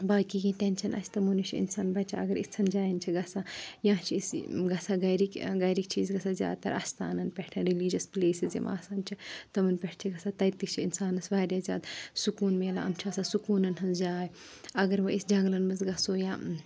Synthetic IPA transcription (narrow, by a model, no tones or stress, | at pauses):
baːkiɡĩʈenʃɐnʔɐ̰sʲt̪ɐmunit͡ʃʰiḭnsaːnbɐt͡ʃʰa̰ɐɡɐɾḭsʰɐnd͡ʒaːjɐnt͡ʃʰiɡɐsaːjãːt͡ʃʰiisɡɐsaɡɐjɾikɡɐjɾik̚t͡ʃʰiːzɡɐsaːzʲa̰ːt̪ɐ̰ɾʔa̰ːst̪a̰ːnɐnpʲɛʈʰaɾilid͡ʒɐspleːsizḭmʔa̰ːsaːnt͡ʃʰit̪ɐmɐnpʲɛʈʰt͡ʃʰiɡɐsat̪ɐjt̪it͡ʃʰiinsaːnɐsʋaːɾʲjazʲa̰ːd̪sukuːnmeːla̰ɐmt͡ʃʰɐsasukuːnɐnɦɐnzd͡ʒʲaːj | ɐɡɐɾʋɐ̃isd͡ʒɐ̃ŋɡlɐnbɐsɡɐsoːjãː